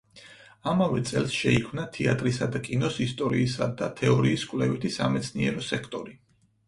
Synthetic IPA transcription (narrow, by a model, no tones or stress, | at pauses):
amavɛt̪sʼɛlˠsʃɛikʰmnat̪ʰiat̪ʼɾisad̪akʼinɔsist̪ʼɔɾiːsad̪at̪ʰɛɔɾiːskʼwlɛvit̪ʰisamɛt̪sʰniɛɾɔsɛkʰt̪ʼɔɾi